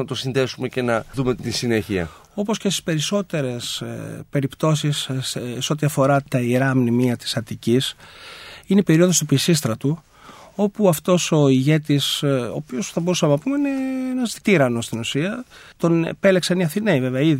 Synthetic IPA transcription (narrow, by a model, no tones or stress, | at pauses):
nɐt̪o̞sinðesumece̞nɐðumet̪isine̞çiɐ̰ | o̞po̞scest̪i̥spe̞ɾiso̞t̪e̞ɾe̞spe̞ɾipt̪o̞sisseo̞t̪̬iɐfo̞ɾɐt̪ɐiɾɐːmnimiɐt̪i̥sɐt̪icis | ineipe̞ɾio̞ðo̞st̪upisist̪ɾɐt̪u | o̞puɐft̪o̞so̞iʝe̞t̪iso̞̰ːpio̞sθɐbo̞ɾusɐmeɐpumeineenɐzði̥t̪iɾɐno̞st̪inusiɐt̪o̞nḛpe̞leksɐniɐθineive̞veɐið